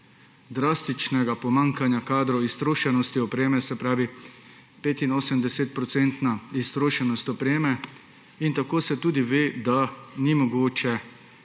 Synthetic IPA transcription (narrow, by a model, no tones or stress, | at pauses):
d̪ɾaːst̪it͡ʃnɛɡapɔmaŋkanjakaːd̪ɾɔist̪ɾoːʃɛnɔst̪iɔpɾeːmɛsɛpɾaːʋi | peːt̪inoːsəmd̪ɛset̪̚pɾɔt̪sent̪naist̪ɾoːʃɛnɔst̪ɔpɾeːmɛ | int̪akoːsɛt̪uːd̪iʋeːd̪animɔɡoːt͡ʃɛ